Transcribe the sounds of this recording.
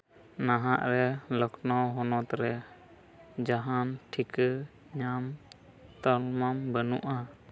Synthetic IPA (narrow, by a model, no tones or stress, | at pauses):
naɦaʔɾɛlɔknɔwɦɔnɔt̪ɾɛ | d͡ʒaɦanʈʰikə | ɲam | t̪ɔlmambənuʔa